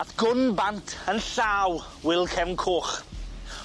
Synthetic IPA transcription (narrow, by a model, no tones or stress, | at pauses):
atɡ̥ʊnbantʰənɬaːw | wɪlˠkʰɛvnkʰoːχ